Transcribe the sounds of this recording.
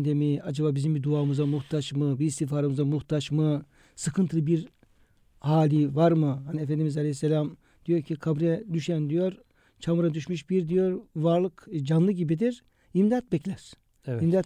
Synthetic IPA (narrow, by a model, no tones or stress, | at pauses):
d̪emiad͡ʒabaːbizimbid̪uaːmɯzamuxt̪ʰaʃmɯbiːst̪ʰifaːɾamɯzamuxt̪ʰaʃmɯ | sɯkʰɯnt̪ʰɯlˠɯbiɾ | haːlʲivaɾmɯɦaniefɛnd̪imizalʲehisːelʲam | d̪ijo̞ɾcʰikʰabɾɛd̪yʃɛnd̪ijo̞ɾ | t͡ʃʰamɯɾad̪yʃmyʃbiɾd̪ijo̞ɾvaɾlˠɯkd͡ʒanlˠɯɟibid̪iɾ | imd̪at̪̚bɛclʲæɾ̥ | imd̪at̪